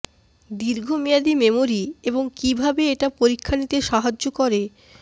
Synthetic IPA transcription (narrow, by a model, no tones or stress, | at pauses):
d̪iɾɡʱomijad̪imemoɾieboŋkibʱabeeʈapoɾikʰːanit̪eʃaɦad͡ʑːokoɾe